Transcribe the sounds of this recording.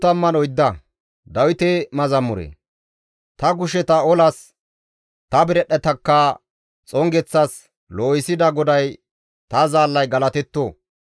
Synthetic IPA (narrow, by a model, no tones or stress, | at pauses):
t̪ɐmːɐnɔjd̪ːɐ | d̪ɐwɪt̪emɐzɐmːʊɾḛ | t̪ɐɡʊʃɛt̪ɐɔlɐs | t̪ɐbɪɾɛɗːɛt̪ɐkːɐ | t͡sʼɔŋɡɛt͡sːɐs | loːjɪsɪd̪ɐɡɔd̪ɐj | t̪ɐzaːlːɐjɡɐlɐt̪ɛt̪ːoː